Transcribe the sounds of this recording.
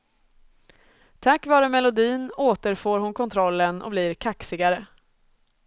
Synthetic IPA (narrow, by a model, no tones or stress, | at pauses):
t̪ʰakːvɑːɾəmɛlʊd̪iːnoːt̪əɾfoːɾhʊnkʰɔnt̪ʰɾɔlːənɔ̰bliːɾkʰaksɪɡaɾə